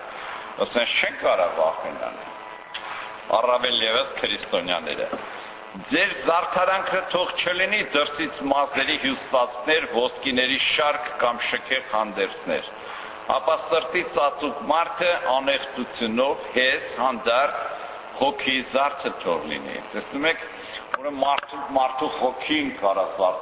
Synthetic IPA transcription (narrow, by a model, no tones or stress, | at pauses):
əsɛnkʰt͡ʃʰɛŋkɑɾɛvɑ̰χɛ̰nɑ̰nɛ̰ | ɑ̰rɑvɛljɛvəskʰəɾist̪ɔnjɑ̰nɛ̰ɾə̰ | d͡zɛɾzɑɾt̪ʰɑɾɑŋkʰət̪ʰɔʁt͡ʃʰəlinid̪əɾsit͡sʰmɑzɛɾiɦjusvɑt͡skʰnɛɾvɔskinɛɾiʃɑɾkʰːɑmʃəkʰɛʁhɑnd̪ɛɾt͡sʰnɛ̰ɾ | ɑ̰pɑsəɾt̪it͡sɑt͡sukmɑɾt̪ʰəʔɑnɛχt͡sʰut͡sʰjunɔvhɛshɑnd̪ɑɾt̪ʰ | hɔkʰizɑɾt̪ʰət̪ʰɔ̰ʁlḭnḭt̪ɛsnumɛkʰ | vɔɾəmɑɾt̪ʰumɑɾt̪ʰuhɔkʰinkɑɾɑsʰvɑ